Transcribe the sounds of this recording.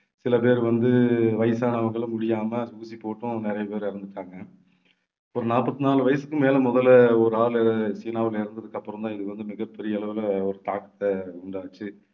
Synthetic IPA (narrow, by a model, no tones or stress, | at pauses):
sɪlɐpeːɾʋɐnd̪ɯʋɐjɐsaːnɐʋɐŋɡɐɭmʊɽɪjaːmɐsuːsipoːʈːʊ̃nɪɾɐjɐpeːɾɪɾɯnd̪ɯʈːaːŋɡɐ | ɔɾɯnaːpːɐt̪ːɯnaːlɯʋɐjɐsɯkːɯmeːlɐmɔðɐlɔɾɯaːlɛsiːnaːʋɪlɪɾɯnd̪ɐðɯkːɐpːɯɾɐmd̪ãːɪðɯʋɐnd̪ɯmɪɣɐpːɛɾɪjɐɛɭɐʋɪlɐɔɾɯt̪aːkɐ̥t̪ːɐʊɳɖaːt͡ʃːɯ